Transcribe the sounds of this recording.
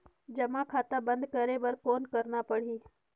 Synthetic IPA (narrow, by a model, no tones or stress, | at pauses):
d͡ʒɐmakʰaːt̪abɐ̃nd̪kɐɾebɐɾkoːnkɐɾnapɐɽ̤iː